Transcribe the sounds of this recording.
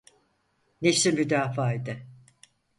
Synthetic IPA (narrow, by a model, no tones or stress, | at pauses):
nesimyd̪aːfaːid̪ɪ